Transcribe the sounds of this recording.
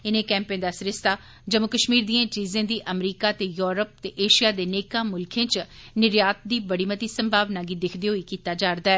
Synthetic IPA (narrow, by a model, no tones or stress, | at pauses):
ɪnẽːkɛ̃ːmpẽːnd̪aːsɪɾɪst̪aː | d͡ʒəmokəʃmiːɾd̪ĩːãːt͡ʃiːzẽːd̪iːʔəmɾiːkaːt̪eːjoːɾəp̚t̪eːʔeːʃijaːd̪eːneːkãːmʊlkʰẽːt͡ʃnɪɾjaːt̪̚d̪iːbəɽiːmət̪iːsə̃mbʱaːʋnaːɡiːd̪ɪkʰd̪eːɦoiːkiːt̪aːd͡ʒaːɾd̪aːɛː